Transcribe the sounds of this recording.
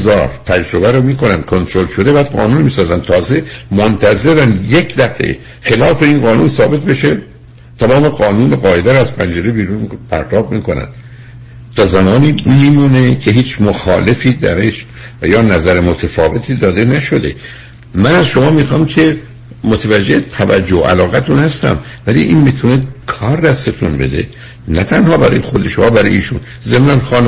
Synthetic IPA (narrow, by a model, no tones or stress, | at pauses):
zɒːɾt̪ʰæd͡ʒɾo̞bæɾomiːkʰonænd̪̥kʰo̞nt̪ʰɾolʃod̪e̞bæːd̪̚ɢɒ̰ːnuːnmiːsɒːzænd̪t̪ʰɒːze̞mont̪ʰæze̞ɾænje̞cd̪æfḛ | xe̞lɒːfeinɢɒːnuːnsɒːbe̞t̪be̞ʃe | t̪ʰæmɒːme̞ɡɒːnuːneɣɒːje̞d̪æɾoæz̥pʰænd͡ʒeɾebiːɾunpʰæ̰ɾt̪ʰɒːbmiːkonæ̰nd̪̥ | t̪ʰɒːzæmɒːniːmiːmuːne̞cʰe̞ɦiːt͡ʃʰmoxɒ̰ːle̞fiːd̪æ̰ɾeʃ | væjɒːnæzæɾemot̪ʰefɒːve̞t̪ʰiːd̪ɒːd̪e̞næʃo̞d̪e̞ | mænæzʃo̞mɒːmiːxɒːmcʰe | mot̪ʰevæd͡ʒːe̞t̪ʰævæ̰d͡ʒːoo̰ʔæ̰lɒːɣæt̪ʰunhæst̪æ̰m | vælḭːʔiːnmit̪ʰunekʰɒːɾd̪æst̪et̪ʰunbed̪e̞̰ | næt̪ʰænhɒːbæɾɒ̰ːjexod̪eʃomɒːbæɾɒ̰jiːʃuːn | ze̞mnænxɒːn